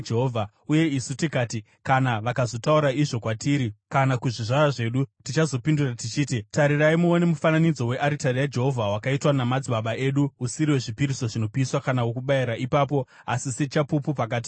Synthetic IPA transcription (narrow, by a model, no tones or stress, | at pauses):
d͡ʒeɦoːvʱa | uje̞isutikaːti | kanaʋakazo̞tauɾaiʐo̞kwatiːɾikanakuʐiʐaraʐe̞ːɗutit͡ʃazo̞pinduratit͡ʃiːtitaɾiraimuone̞mufananid͡zo̞we̞ʔaɾitarijad͡ʒe̞ɦo̞vʱawakaitwanamad͡ziɓaɓaʔe̞ːɗuusiɾiwe̞ʐipiɾiso̞ʐino̞piːswakanawokuɓaiɾaʔipaːpo̞ | asiset͡ʃapupupakaːt̬i̥